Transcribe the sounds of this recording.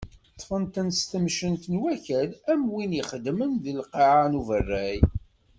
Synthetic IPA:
t̪ˤːfənt̪ənst̪əmʃənt̪ənwæçælæmwiniχəd̪mənðilqɑʕanuvərːæj

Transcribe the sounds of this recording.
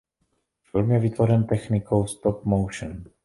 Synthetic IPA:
fɪlmjɛvɪt̪vo̞ɾɛnt̪ɛxnɪkowst̪op̚mowʃən

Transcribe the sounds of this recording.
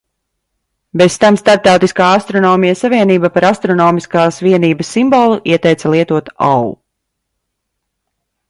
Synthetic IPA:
besst̪amst̪aɾp̚t̪awt̪iskaːast̪ɾɔnɔːmijasaviɛniːbapaɾast̪ɾɔnɔːmiskaːsʋiɛniːbəsːimbɔlˠuʔiɛt̪ɛjt̪salˠiɛt̪uɔt̪a̰wu

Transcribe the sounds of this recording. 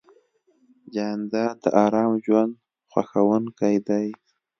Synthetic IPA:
d͡ʒand̪ɑd̪əʔɑɾɑmʒwand̪ | xwa̰xawənkajd̪aj

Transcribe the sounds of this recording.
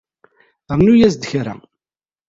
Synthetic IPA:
ɾnujæsd̪əçɾæ̰

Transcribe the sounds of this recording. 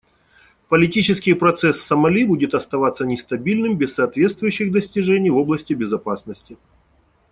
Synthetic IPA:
pəlʲɪtʲit͡ɕɪskʲɪjpɾɐt̪sɛsːəmɐlʲibudʲɪt̪ɐst̪ɐvat̪sːənʲɪst̪ɐbʲilʲnɨmbʲɪsːɐːt̪vʲe̞t̪st̪vʊjʉɕːɪɣd̪əsʲtʲɪʐɛnʲɪjvo̞blˠəsʲtʲɪbʲɪzɐpasnəsʲtʲɪ

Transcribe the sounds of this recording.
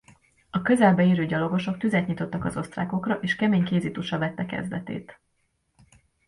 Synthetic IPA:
ɒkø̞zɛlbɛeːɾøːɟɒlo̞ɡo̞ʃo̞k̚t̪yzɛt̪ɲit̪o̞t̪ːɒkɒzo̞st̪ra̰ːko̞krɒʔeːʃkɛmeːɲkeːzit̪uʃɒvɛt̪ːɛkɛ̰zd̪ɛ̰t̪ḛːt̪

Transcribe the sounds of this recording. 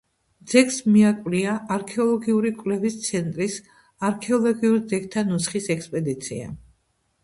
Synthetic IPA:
d̪z̥ɛkʰsmiakʼwliaːɾkʰɛɔlˠɔɡiuɾikʼwlɛvist̪sʰɛnt̪ʼɾis | aɾkʰɛɔlˠɔɡiuɾd̪zɛk̚t̪ʰanusχisɛkspʼɛd̪it̪sʰia̰

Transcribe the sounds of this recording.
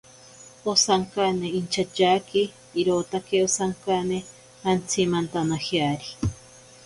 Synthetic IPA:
osaŋkaneint͡ʃʰat͡ʃakiː | ɾot̪akeosaŋkane | ant͡sʰimant̪anahjaɾi

